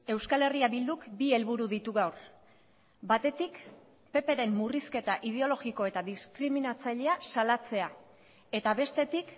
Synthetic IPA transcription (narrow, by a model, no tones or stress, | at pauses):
e̞wskale̞riaβild̪ukbie̞lβuɾuðit̪uɣawr | bat̪e̞t̪ik | pe̞pe̞ɾe̞mːuriske̞t̪aʔið̞e̞o̞lo̞ɣiko̞e̞t̪aðiskɾiminat͡saʎe̞asalat͡se̞a | e̞t̪aβe̞st̪e̞t̪ik